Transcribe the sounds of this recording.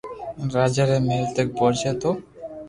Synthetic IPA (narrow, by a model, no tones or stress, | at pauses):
ɾad͡ʑaɾemelt̪ek̚boɾt͡ɕʰet̪o